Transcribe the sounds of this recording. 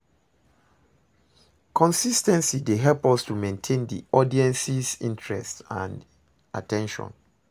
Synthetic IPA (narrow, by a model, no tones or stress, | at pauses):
kʰɔ̃nsistɛ̃nsideɦɛlpɔstumẽntʰẽndḭɔdiɛ̃nsisḭ̃ntʰɹɛ̰stã̰nd | ʔa̰tɛ̃nʃɔ̰̃n